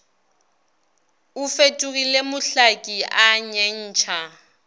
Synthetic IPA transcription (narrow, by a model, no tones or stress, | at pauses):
ʊfetʼuɣilemʊɬakʼiaɲeɲ̩ːt͡ʃʰa